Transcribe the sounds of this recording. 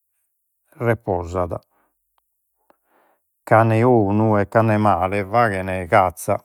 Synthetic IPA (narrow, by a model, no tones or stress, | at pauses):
rɛpɔzaða̰ | kanɛoːnuɛkːanːɛmaːlɛvaːɣɛnɛɣat̪sːa̰